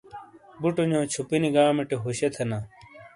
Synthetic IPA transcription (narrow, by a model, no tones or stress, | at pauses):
buʈoɲõːt͡ɕʰupiniɡaːmeʈeɦoɕet̪ʰɐna